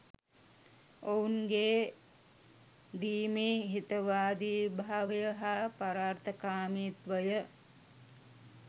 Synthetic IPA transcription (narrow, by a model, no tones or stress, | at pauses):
ounɡeː | d̪iːmeːɦit̪əʋaːd̪iːbʱaaʋjəɦapaɾaːɾt̪ʰəkaːmiːt̪ʋəjə